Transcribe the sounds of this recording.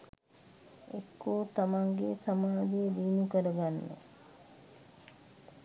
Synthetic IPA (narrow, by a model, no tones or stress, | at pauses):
ekːoːt̪amaŋɡesamaːd̪ejdiːnukəɾəɡanːə̰